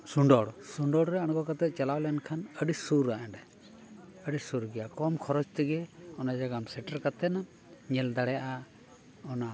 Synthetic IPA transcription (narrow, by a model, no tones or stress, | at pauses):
suɳɖɔɽsuɳɖɔɽɾɛaɽ̃ɡɔkat̪ɛt̪̚ˀt͡ʃalawlɛnkʰanəɖisuɾaʔɛɖɛ | əɖisuɾɡɛjakɔmkʰɔɾɔt͡ʃt̪iɡɛɔnad͡ʒaɡamsɛʈəɾkat̪ɛna | ɲɛld̪aɽɛjaʔa | ɔna